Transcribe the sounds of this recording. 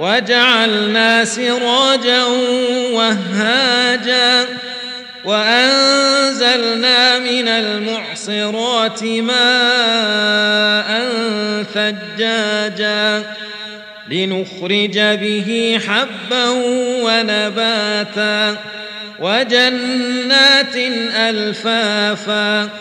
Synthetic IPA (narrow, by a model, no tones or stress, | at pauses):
wad͡ʒaʕalnaːsɪɾˤɑːd͡ʒa | waːaːd͡ʒaː | waʔannzalnaːmɪnalmʊʕsˤɨɾˤɑːt̪ɪmaː | ʔanθad͡ʒːaːd͡ʒaː | lɪnʊxɾɪd͡ʒabɪɦɪħabːahwanabaːt̪aː | wad͡ʒanːaːt̪nʔalfaːfaː